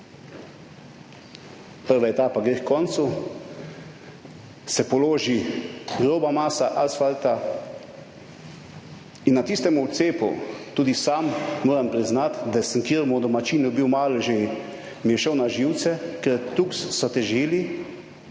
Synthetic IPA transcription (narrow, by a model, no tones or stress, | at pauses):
pəɾʋaɛt̪aːpaɡɾeːkkɔnt̪su | sɛpɔloːʒiɡɾoːbamaːsaʔalsfalt̪a | inːat̪ist̪ɛmuwt̪seːpṵt̪uːd̪isamːoːɾampɾiznat̪d̪asəŋkiːɾmɔd̪ɔmat͡ʃiːnɔbiwmaːlɔʒe | mijɛʃəwnaʒiwt̪sɛkɛɾt̪ukssɔt̪ɛʒiːli